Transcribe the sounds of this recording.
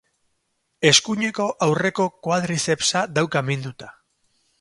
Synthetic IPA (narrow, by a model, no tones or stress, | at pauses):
e̞skuɲe̞ko̞ʔawre̞ko̞kwaðɾise̞psaðawkamend̪ut̪ḁ